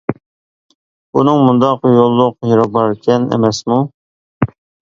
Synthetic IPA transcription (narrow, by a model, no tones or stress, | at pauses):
bunɨŋmund̪ɑqjolˠːʊqjeɾɑbɑɾkʲʰɛnḛmɛsmu